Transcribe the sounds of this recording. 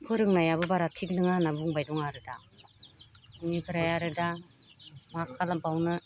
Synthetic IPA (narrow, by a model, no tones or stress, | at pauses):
pʰɯɾɯŋnajaβɯbaɾatʰik̚nɯŋanabuŋbajdɔŋaɾɯda | ɯnikʰɯɾajaɾɯda | makʰalabawnɯ